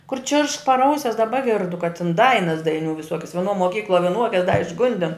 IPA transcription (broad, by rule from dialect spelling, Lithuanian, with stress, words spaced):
kʊr t͡ʃʲɪrʃk pɐr ˈɐʊsʲɛs dɐˈbɐ ˈɡʲɪrdʊ kɐ tʲɪn ˈdɐɪnɐs dɐɪˈnʲuː ʋʲɪˈsuɔkʲɛs ʋʲiɛˈnuɔ moːˈkʲiːklˠuɔ ʋʲɪˈnuɔkʲɛs dɐ ɪʒˈɡʊnʲdʲɪn